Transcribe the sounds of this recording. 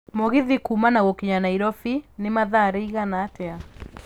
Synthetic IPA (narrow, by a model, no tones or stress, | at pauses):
moɣiðikumanaɣɔkiɲanaiɾɔfinemaðaɾɛiɣanaːtɛa